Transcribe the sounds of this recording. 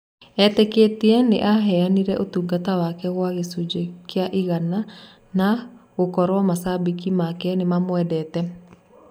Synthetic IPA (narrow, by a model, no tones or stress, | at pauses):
ɛteketiɛnḛʔaɦɛaniɾɛʔotuɡatawakɛɣwaɣesud͡ʒekeaʔiɣana | naɣokɔɾwɔmasabikimakɛnemamwɛdɛtɛ